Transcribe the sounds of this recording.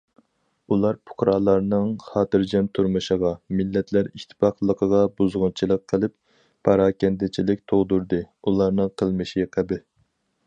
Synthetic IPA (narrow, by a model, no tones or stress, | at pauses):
ulˠɑɾpʰʊ̥χɾɑːlˠɑɾnɨŋχɑːt̪ɨɾd͡ʒɛnt̪ʰuɾmɨʃəʁɑmɪlːɛt̪ʰlæɾiʃt̪ʰɨ̥pɑχlˠəqʰəʁɑbuzʁʊnt͡ʃʰilˠəqʰːəlˠɨp | pʰɑɾɑːkʲɛnd̪ɪt͡ʃʰilɪk̚ʲt̪ʰoʁd̪uɾd̪ɨulˠɑɾnɨŋqʰəlˠmɨʃiqʰəbɪ